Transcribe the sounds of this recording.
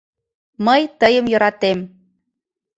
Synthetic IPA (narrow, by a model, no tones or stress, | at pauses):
məjt̪əjəmjɤ̆ɾɑt̪em